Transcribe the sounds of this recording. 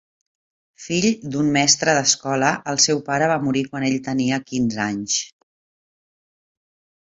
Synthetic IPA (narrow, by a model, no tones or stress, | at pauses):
fiʎd̪ummɛst̪ɾəðəskɔləʔəlˠsɛwpaɾəβ̞amuɾikwaneʎt̪əniəkinzaɲs